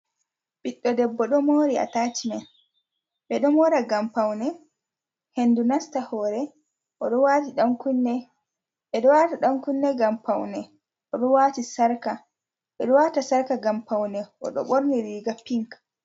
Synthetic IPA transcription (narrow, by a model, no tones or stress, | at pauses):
ɓiɗːɔdɛbːɔɗɔmoɾia̰taːt͡ʃinɛn | ɓɛɗɔmɔɾaɡampawnɛ | hendunastahɔːɾɛ | ʔɔɗɔwaːtiɗaŋkunːɛ | ɓɛɗɔwataɗaŋkunːɛɡampawnɛ | ʔɔɗɔwaːtisaɾka | ɓɛɗɔwatasaɾkaɡampawnɛʔɔ̰ɗɔ̰ɓoɾniɾiɡapiŋk